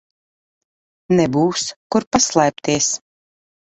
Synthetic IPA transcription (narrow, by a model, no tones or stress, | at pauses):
nɛbuːskuɾpaslˠɛjp̚t̪iɛs